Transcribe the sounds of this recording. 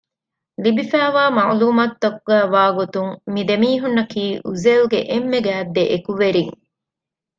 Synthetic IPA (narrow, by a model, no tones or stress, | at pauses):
libifæːʋaːmɐʕluːmat̪ːɐkuɡæːʋaːɡot̪uŋmid̪emiːɦunːɐkiːʔuzeluɡeʔemːeɡæːd̪ːeʔekuʋeɾiŋ